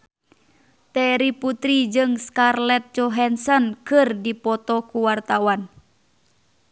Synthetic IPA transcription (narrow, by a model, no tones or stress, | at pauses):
t̪ɛɾiput̪ɾid͡ʒɨŋskarlɛt̪̚t͡ʃɔɦɛnsɔnkɨrdipɔt̪ɔkuwart̪awan